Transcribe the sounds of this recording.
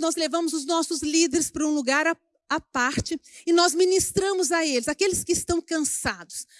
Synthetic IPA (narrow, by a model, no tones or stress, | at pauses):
nɔzlevɐ̃mʊzʊznɔsʊzlid̪eɾɪspɾɐũluɡaɾa | apaɾt͡ʃɪɪnɔzminist̪ɾɐ̃mʊzɐelɪzakelɪskɪːst̪ɐ̃w̃kɐ̃sad̪ʊs